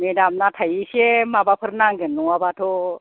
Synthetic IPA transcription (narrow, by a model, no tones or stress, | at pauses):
medamnatʰajisemabapʰɯɾnaŋɡenːuwabatʰo